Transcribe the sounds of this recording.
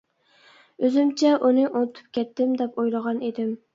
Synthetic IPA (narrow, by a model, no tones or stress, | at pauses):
øzɪmt͡ʃʰɛʔunɪʔonɨt̪ʰɨ̥p̚kʲɛt̪ʰːɪmd̪ɛpojlˠəʁɑned̪ɪm